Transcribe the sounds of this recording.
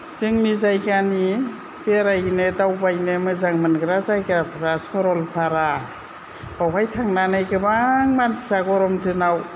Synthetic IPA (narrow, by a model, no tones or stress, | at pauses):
z̥ɯŋnizajkani | beɾajnedawbajnemɯzaŋmɯnɡɯɾazajkɾapʰɾaspʰɔɾɔlpʰaɾa | b̥awɦajtʰaŋnanajkɯbaŋmansaɡɔɾɔmtɯnaw